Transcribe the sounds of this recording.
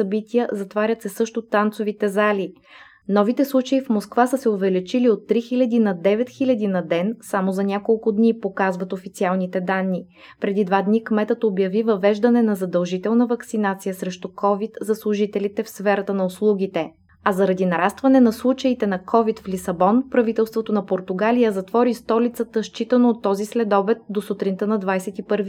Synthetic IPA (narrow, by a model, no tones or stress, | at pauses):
sɐbit̪ijəzɐt̪vaɾʲət̪sɛsɤʃt̪ʊt̪ant̪sʊvit̪ɛzali | nɔvit̪ɛslˠut͡ʃəifmoskvasəsɛovɛlit͡ʃiliot̪ːɾixilʲɐd̪inɐd̪ɛvɛt̪xilʲɐd̪inɐd̪ɛnsamozɐnʲakolˠkʊd̪nipokazvɐt̪ofit̪sialˠnit̪ɛd̪anːi | pɾɛd̪id̪vad̪nikmɛt̪ət̪objɐvivɐvɛʒd̪ənɛnɐzɐd̪ɐlˠʒit̪ɛlˠnəvɐksinat̪sijəsɾɛʃt̪ukʰɔvit̪zɐslˠʊʒit̪ɛlit̪ɛfsfɛɾɐt̪ənɐoslˠuɡʲit̪ɛ | ɐzɐɾɐd̪inɐɾast̪vɐnɛnɐslˠut͡ʃɐit̪ɛnɐkʰɔvit̪flʲisɐbɔnpɾɐvit̪ɛlˠst̪vot̪onɐpoɾt̪ʊɡalijəzɐt̪vɔɾist̪ɔlit̪sət̪əʃt͡ʃit̪ənoːt̪ːɔzislɛd̪ɔbɛt̪̚d̪osut̪ɾint̪ənɐd̪vajsɛt̪ipɤɾvi